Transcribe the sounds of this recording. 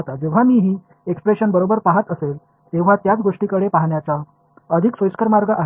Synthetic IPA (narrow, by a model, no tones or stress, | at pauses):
t̪ad͡zeʋ̤amiːɦiː | ekspɾeɕənbəɾobəɾpaɦət̪əsel | t̪eʋ̤at̪jat͡sɡoʂʈikəɽepaɦɳjat͡sa | əd̪ʱiksʋəjskəɾmaɾɡəʔaɦ